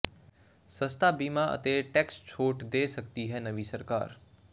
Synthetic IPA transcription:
sə̃st̪ʰabiːmaʔə̰t̪eʈɛkst͡ʃʰoːʈd̪eːsəkt̪iɦɛnəʋisəɾka̰ːɾ

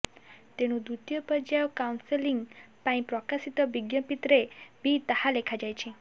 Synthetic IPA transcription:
t̪eɽ̃ũd̪ut̪jəpəd͡ʒajɔkawnsəliŋɡpaĩpɾɔkasit̪əbiɡjəpit̪ɾebʱit̪əhalekʰad͡ʒajt͡ʃʰĩ

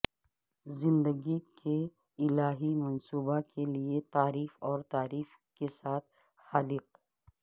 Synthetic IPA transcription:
zɪ̃nd̪əɡikʰe | ɪlaːɦimɐnsuːbakʰeliet̪aːɾiːfɔːɾt̪aːɾiːf | kesaːt̪̚ʰ | xaːlɪq

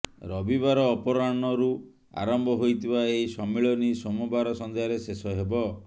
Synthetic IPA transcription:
ɾɔbibaɾɔːpɔɾanɔɾu | a̰ɾɔmbʱɔɦojt̪ʰibaeɦisɔmːeɭɔnisɔmubaɾɔsɔnd̪ʱeaɾesesɔɦebɔ

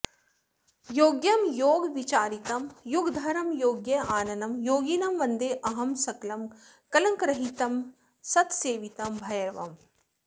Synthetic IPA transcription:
joːɡjɐmjoːɡʋit͡ʃaːɾit̪ɐmjuɡd̪ʱɐɾɐmjoːɡjɐaːnɐnɐmjoːɡinɐmʋɐnd̪eːʔɐɦɐmsɐklɐm | kɐlɐŋkɾɐɦit̪ɐm | sɐt̪seːʋit̪ɐmbʱɐjɐɾʋɐ̰m

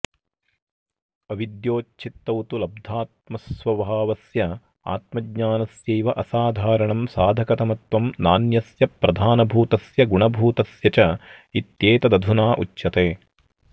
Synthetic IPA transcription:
ɐʋid̪joːt͡ʃʰit̪ːɐwt̪ulɐb̚d̪ʱaːt̪̚mɐsʋɐbʱaːʋɐsjɐ | a̰ːt̪̚mɐɡɲaːnɐsjeːʋɐʔɐsaːd̪ʱaːɾɐɳɐmsaːd̪ʱɐkɐt̪ɐmɐt̪ʋɐmnaːnjɐsjɐpɾɐd̪ʱaːnɐbʱuːt̪ɐsjɐɡuɳɐbʱuːt̪ɐsjɐt͡ʃɐit̪jeːt̪ɐd̪ɐd̪ʱunaːʔut͡ʃːʃɐt̪eː

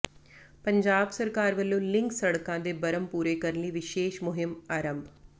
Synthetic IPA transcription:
pəɲd͡ʒaːbsəɾkaːɾʋəlːõːlɪ̃ŋksəɽkãːd̪eːbəɾəmpuːɾeːkəɾənliːʋɪʃeːʃmʊɦɪmaːɾəmbʱ

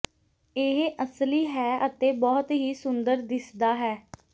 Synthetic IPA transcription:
ɪɦʔəsliːɦɛːʔət̪eːbɔːt̪ɦiːsʊnd̪əɾd̪ɪsd̪aːɦɛː

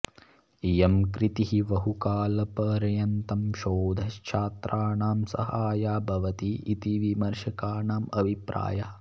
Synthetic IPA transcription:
ijɐmkɾit̪iɦiʋɐɦukaːlɐpɐːɾɐjɐnt̪ɐmʃoːd̪ʱɐʃt͡ʃʰaːt̪ɾʔaːɳaːmsɐ̰haːjaːbʱɐʋɐt̪iːt̪iʋimɐɾʃɐkaːɳaːmɐbʱipɾa̰ːjaː

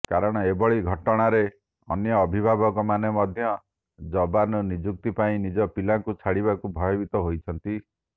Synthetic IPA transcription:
kaɾɔɽ̃ɔebɔɭiɡʱɔʈɔɽ̃aɾe | ɔ̰njɔːbʱibʱabɔkɔmanemɔd̪ʱjɔ | d͡ʒɔbanɔnid͡ʒuk̚t̪ipaĩnid͡ʒɔpilaŋkut͡ʃʰaɽiβakubʱɔjɔbit̪ɔɦojt͡ʃʰɔnt̪i

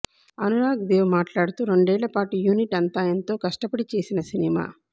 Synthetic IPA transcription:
ɐnuɾaːɡd̪eːʋmaːʈlaːɽut̪uːɾo̞ɳɖɛːɭːɐpaːʈujuːniʈɐnt̪aːjɐnt̪o̞ːkɐʂʈɐpɐɽit͡ʃe̞ːsinɐsinima̰ː

